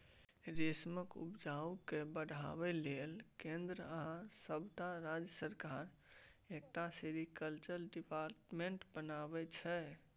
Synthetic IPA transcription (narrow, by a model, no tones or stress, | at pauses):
ɾesməkṵpd͡ʒaukebəɽʱa̰bɛlelkẽnd̪ɾəəɦãsəbt̪aɾad͡ʒjəsəɾkaɾ | ek̚t̪aseɾikəlt͡ʃəɾɖipaɾʈmẽɳʈbənabɛt͡ʃʰɛ